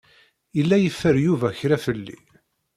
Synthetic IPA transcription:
ilːæjəfːəɾjuvæçɾæfəlːḭ

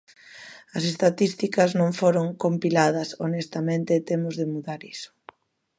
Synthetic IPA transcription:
ɐsest̪at̪ist̪ikɐznõŋfoɾoŋkompilað̞ɐsonest̪amẽnt̪et̪emʊzðɪmuðaɾisʊ̥

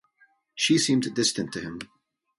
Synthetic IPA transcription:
ʃisĩmdɪstɨ̃ntʰɨɪ̃m

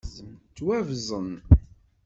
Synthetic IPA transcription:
zəmt͡sːwævzˤən

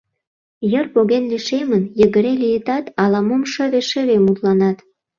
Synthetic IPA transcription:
jərpoɣenliʃemənjəɣə̆ɾelijət̪ɑt̪ɑlɑmomʃə̆βeʃeβemut̪lɑnɑt̪

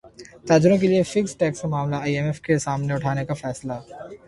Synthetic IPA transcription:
t̪aːd͡ʒʊɾõk̬eliefɪksʈɛːkskamaːmlaaːiɛmɛfkesaːmneʊʈʰaːnekafɛːsla

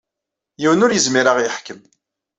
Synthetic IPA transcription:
jiwənʊɾjəzmiɾaʁjəħkəm

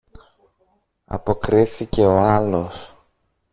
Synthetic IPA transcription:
ɐ̰po̞kɾiθice̞o̞ɐlo̞s

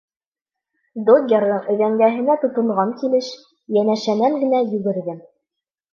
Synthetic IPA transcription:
d̪oɡʲerðɤɴɵ̆ðæŋɡæɦɘ̆næt̪ŏt̪ŏɴʁɑŋkilɘʃ | jænæʃænæŋɡɘ̆næjʉɡɘ̆ɾðɘm

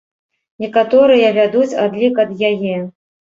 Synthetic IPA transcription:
nʲɛkat̪ɔɾɨjɐvʲad̪ut͡sʲad̪lʲikɐd̪jajɛ

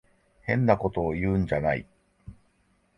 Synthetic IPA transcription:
hẽ̞nːako̞t̪o̞ːjɯ̟ːɲd͡ʑanaḭ

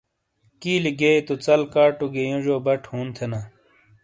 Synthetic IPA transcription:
kiːliɡeit̪ut͡sɐlkaːʈuɡejũʐoːbɐʈʰhuːnt̪ʰena

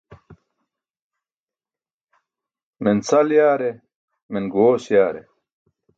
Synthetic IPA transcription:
minsɐljaːɾe | minɡoːsjaːɾḛ

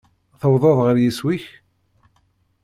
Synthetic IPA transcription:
θəwðˤɑðˤʁəɾjiswiç

